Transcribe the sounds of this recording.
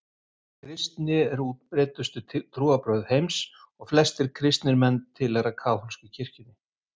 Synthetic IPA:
kʰɾɪst̪nɪɛɾuːt̪̚pɾɛːt̪ʏst̪ʏt̪ʰɾuːapɾœɥðhejms | ɔɣflɛst̪ɪɾ̥kʰɾɪst̪nɪɾmɛnt̪ʰɪlɛɾakʰaːwhɔlscɪcʰɪr̥cʏnɪ

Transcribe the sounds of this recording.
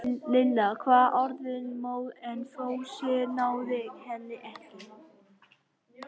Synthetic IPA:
lɪlːakʰvaːðʔɔɾðɪnmoːwðɛnfoːwsjɛɾnaːwðɪhɛlːɪʔɛhc̪ɪ

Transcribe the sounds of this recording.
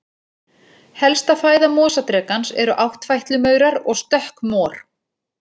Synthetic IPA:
hɛlst̪afaːjðamɔːsat̪ɾɛːkansɛ̰ɾʏʔawht̪fajht̪lʏmœːɥɾaɾɔɣst̪œhkmɔːɾ̥

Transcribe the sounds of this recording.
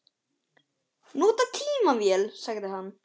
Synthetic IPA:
noːt̪at̪ʰiːmavjɛlsaɣd̪ɪɦan

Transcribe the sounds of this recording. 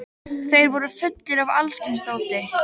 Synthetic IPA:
θejɾvɔɾʏfʏt̪ːɪɾava̰lscɪnst̪oːwt̪ɪ

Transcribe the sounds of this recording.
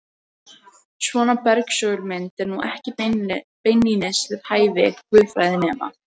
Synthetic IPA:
svɔːnapɛɾksœːɣʏɾmɪnt̪ɛɾnuʔɛhcɪpejnːinɪsvɪɾ̥haːjvɪkvʏːðfɾaːjðɪnɛːma̰

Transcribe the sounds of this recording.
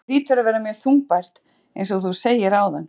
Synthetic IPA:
iːt̪ʏɾavɛːɾamjœːɾ̥θuŋk̚pajɾ̥t̪ | ḛjns̬ɔɣθuseːjɪɾaːwðanː

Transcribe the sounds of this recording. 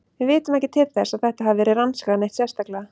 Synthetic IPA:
vɪvɪːt̪ʏmɛhcɪt̪ʰɪpθɛsaðθɛht̪aɦavvɛːɾɪɾanskaanejht̪sjɛst̪akla

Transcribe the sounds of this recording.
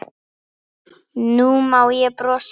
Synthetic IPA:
numawjɛpɾɔs

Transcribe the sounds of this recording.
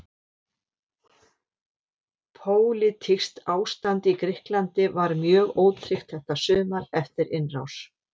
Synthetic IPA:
pʰoːwlɪt̪ʰɪst̪aːwst̪ant̪ikɾɪhklant̪ɪvaɾmjœːɣoːwt̪ʰɾɪxt̪θɛht̪asʏːmaɾɛft̪ɪɾɪnra̰ws

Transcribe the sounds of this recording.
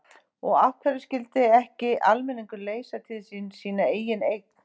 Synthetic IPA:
ɔɣaht̪fɛɾʏscɪlt̪ɪɛhcɪʔalmɛniŋkʏleːjsat̪ʰɪðsiːnsiːnaeːjɪnejt̪n̥

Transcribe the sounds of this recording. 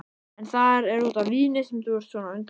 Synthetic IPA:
ɛnθaɾɛɾut̪avviːnɪsɛmt̪uɛɾ̥t̪sɔnaʏnt̪

